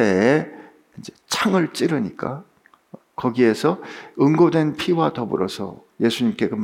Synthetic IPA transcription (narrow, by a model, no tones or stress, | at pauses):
ee | ind͡ʑe̞t͡ɕʰaŋɯɭt͡ɕ͈iɾɯɲik͈a | kʌɡie̞sʰʌɯŋɡodwe̞npʰiwatʌbṵɾʌsʰʌ̰ | je̞sʰuɲimk͈e̞kɯ